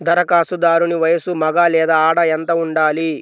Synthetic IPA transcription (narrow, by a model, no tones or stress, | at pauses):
d̪ɐɾɐkaːsud̪aːɾuniʋɐjɐsumɐɡaːlɛːd̪aaːɽɐɛnt̪ɐuɳɖaːli